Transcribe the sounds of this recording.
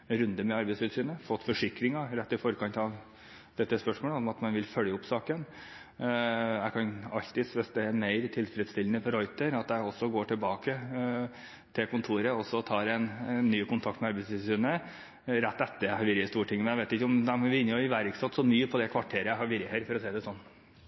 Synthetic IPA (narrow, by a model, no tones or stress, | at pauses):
ɾʉnd̪əmɛɑɾbɛsʋɪlsyːnəfɔt̪ːfɔʂɪkɾɪŋɑɾɛt̪ːɪfɔɾkʰɑnt̪ɑʋ | d̪ɛt̪ːəspœʂmoːləɔmɑt̪mɑnʋɪlfœljəʊpsɑːkən | jæɪkʰɑnɑ̰lt̪ɪsʋɛst̪ɛmeɪɾt̪ʰɪlfɾɛd̪st̪ɪlːənəfɔɾɔʏt̪əɾɑt̪d̪æɪɔsːɔɡoːʈʰɪlbɑːkə | t̪ʰɪlkʊnt̪ʰuːɾəɔsːɔt̪ʰɑːɾɛnːyːkʊnt̪ʰɑkt̪mɛɑɾbæst̪ɪsyːnə | ɾɛt̪ːɛt̪ːəhɑɾʋɪɾjəst̪uːʈʰɪŋːmɛnjæʋeɪɪkːəʊmd̪ɛmɔʋɪnːəjʊɪʋæɾksɑt̪ːsɔmyːəpʰɔd̪ɛkʰʋɑʈʰeːɾəæhɑɾʋɪɾjəheɾfɔɾɔsɛːd̪ɛsɔnː